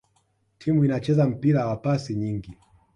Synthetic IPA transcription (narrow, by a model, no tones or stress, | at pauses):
tʰimuinat͡ʃɛzam̩piɾawapasiɲiŋɡi